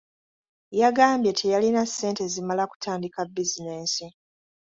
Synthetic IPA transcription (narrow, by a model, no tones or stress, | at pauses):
jaɡaːmbje̞tʰejalinasːe̞ːnte̞zimalaku̥tʰaːndikabːizine̞ːsi